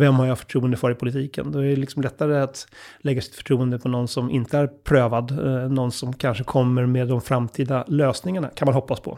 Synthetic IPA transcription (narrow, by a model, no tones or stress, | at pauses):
vɛmːhaɾjafœ̥ʈʰɾuːənd̪əfœɾɪpʰʊlɪt̪ʰiːkə̰nd̪ɔæɖɛlɪksɔmlɛt̪ːaɾəat̪lɛɡːasɪt̪fœ̥ʈʰɾuːənd̪əpʰɔnɔnːsɔmʔɪnt̪əæɾpʰɾøːvad̪nɔnːsɔmkʰanʂəkʰɔmːəɾmeːd̪ːɔmfɾamt̪ʰiːd̪aløːsnɪŋaɳa̰kʰanmanɦɔpːaspʰɔ̰